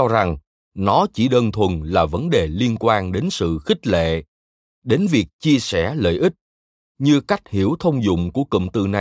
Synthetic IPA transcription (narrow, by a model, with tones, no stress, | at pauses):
ɔ˧za˨˩ŋ | nɔ˨˦t͡ɕi˧˩ɗəː˧nt̪ʰwə˨˩nlaː˨˩və˨˦nɗe˨˩li˧ənkwaː˧nɗe˨˦nsɨ̰˧˨xï˦˥k̟̚lḛ˧˨ | ɗe˨˦nvi˨˩ək̚t͡ɕi˧əsɛ˧˩lə̰ː˧˨jʔi˦˥k̚ | ɲɨ˧ka˦˥jk̟̚hi˧˩əwt̪ʰə˧wŋ͡mzʊ̰˧˨ŋ͡mku˧˩əkə̰˧˨mt̪ɨ̰˧˩na˨˩